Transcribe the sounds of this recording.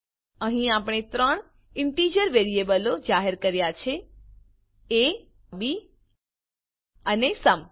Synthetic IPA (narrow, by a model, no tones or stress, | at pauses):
əɦĩapɽ̃et̪ɾəɳ | ɪɳʈid͡ʒəɾʋeɾiebəlod͡ʒaɦeɾkəɾjat͡ʃʰe | e | bi | ənesəm